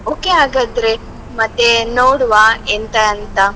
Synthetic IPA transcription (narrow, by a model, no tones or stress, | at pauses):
oːkeaːɡɐd̪ɾe | mɐt̪ːenoːɽuʋaent̪ɐːnt̪ɐ